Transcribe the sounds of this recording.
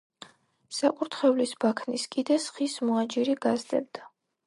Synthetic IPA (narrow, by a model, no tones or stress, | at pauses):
sakʼuɾt̪ʰχɛvlisbakʰniskʼid̪ɛsχismɔad͡ʒiɾiɡazd̪ɛ̰b̚d̪a